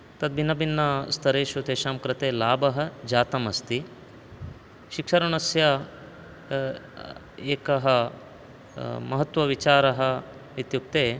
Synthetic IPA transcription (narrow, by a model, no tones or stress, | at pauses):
t̪ɐd̪̚binːɐbinːɐst̪ʰɐɾeːʃut̪eːʃaːmkɾɐt̪eːlaːbɐɦɐ̆d͡ʒaːt̪ɐmɐst̪i | ʃikʂɐɾɐɳɐsjɐ | eːkɐɦɐ̆ | mɐɦɐt̪ʋɐʋit͡ʃaːɾɐɦɐ̆ | ʋit̪juk̚t̪eː